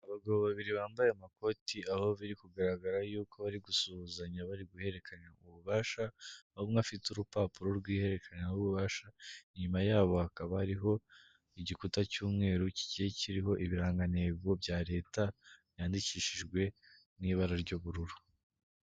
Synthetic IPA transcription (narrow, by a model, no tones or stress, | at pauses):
aβaɡaβoβaβiɾiβaːmbajemako̞tiaho̞βiɾikuɡaɾaɡaɾajuːko̞βaɾiɡusuuzaɲaβaɾiɡuhe̞ɾe̞kʰaɲauβuβaːʃaβomŋafituɾupaːpuɾoɾɡwiːhe̞ɾe̞kʰaɲauβuβaːʃaiɲumajaːβo̞hakaβahaɾiɦo̞ | iɟikutacuːmŋe̞ːɾuci̥cijeciɾiɦo̞ʔiβiɾaːŋɡane̞bɡo̞bjaːɾe̞ːtaβjaːndiciːʃiʒɡwe̞ | niːβaɾaɾɟoβuɾuɾu